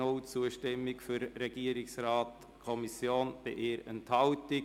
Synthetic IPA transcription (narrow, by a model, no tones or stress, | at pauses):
ʊlt͡suəʃtɪmːɪkfʏɾːɛɡ̥iəɾɪksrɑːt | kʰɔmisjoːnb̥ɪʔɪːɾənthɑltɪ